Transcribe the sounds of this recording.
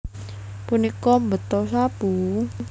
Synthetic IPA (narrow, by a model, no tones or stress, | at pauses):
punikɔmbət̪ɔsab̥u